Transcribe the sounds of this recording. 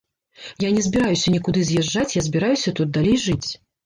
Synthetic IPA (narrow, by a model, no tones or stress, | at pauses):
janʲɛzʲbʲiɾajusʲɐnʲikud̪ɨzʲjɛʐːat͡sʲjazʲbʲiɾajusʲɐt̪ut̪̚d̪alʲejʐɨt͡sʲ